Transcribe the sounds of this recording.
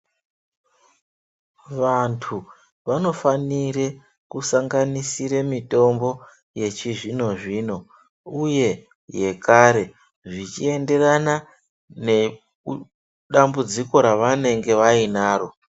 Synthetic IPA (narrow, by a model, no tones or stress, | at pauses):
ʋantʰu | ʋano̞fanire | kusaŋɡanisiɾemito̞mbo̞ | je̞t͡ʃiʐino̞ʐiːno̞ | uje̞ | je̞kaɾe̞ | ʐit͡ʃie̞nde̞rana | ne̞ | ɗambud͡ziko̞ɾaʋane̞ŋɡe̞ʋainaːro̞